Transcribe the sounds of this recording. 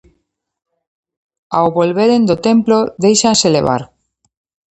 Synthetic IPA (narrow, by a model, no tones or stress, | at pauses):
aoβolβeɾend̪ot̪emploðejʃanseleβ̞a̰ɾ